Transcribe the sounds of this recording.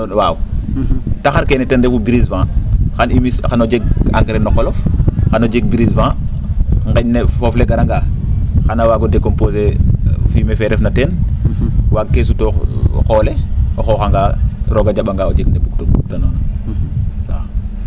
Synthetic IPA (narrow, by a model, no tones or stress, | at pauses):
waːu | taxaɾkenɛtɛndefubiɾisvãxanimisxanod͡ʒeɡa̰ŋɡɾenːɔkɔlɔfxanod͡ʒeɡ̚biɾisvãː | ŋɡeɲnefofleɡaɾaŋɡaxanawaːɡodekomposefimefɛɾɛfnaten | waɡ̚kes̬utoxoːleoxoxaŋɡaɾoɡad͡ʒaɓaŋɡaod͡ʒeɡndebuk̚tobuk̚tanɔːn | sa